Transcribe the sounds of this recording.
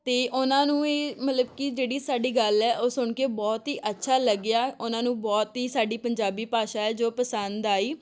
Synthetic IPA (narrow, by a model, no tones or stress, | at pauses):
t̪eːʔʊnãːnũːeːmət̪ləbkɪd͡ʒeːɽiːsaːɖiːɡəlɛːʔoːsʊɳkeːbɔːt̪ɦiːʔətːʃʰaːləɡːɪjaːʊnãːnũːbɔːt̪ɦiːsaːɖiːpəɲd͡ʒaːbiːpaːʃaːɛːd͡ʒoːpəsənd̪aːiː